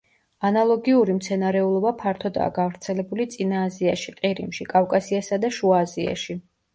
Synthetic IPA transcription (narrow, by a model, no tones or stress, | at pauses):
analˠɔɡiuɾimt̪sʰɛnaɾɛulˠɔbapʰaɾt̪ʰɔd̪a̰ːɡavɾt̪sʰɛlɛbulit̪sʼinaːziaʃiq̪ʼiɾḭmʃikʼafkʼasiasad̪aʃuazia̰ʃi